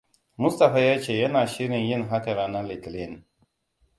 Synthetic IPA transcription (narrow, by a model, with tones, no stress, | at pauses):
mʊ˦st̪a˨ɸa˦ja˦t͡ʃe˨jɐ˦naː˨ʃi˦ɾɪ˨njɪ˦nɦa˦kɐ˨ɾa˨na˦li˨t̪li˦˨n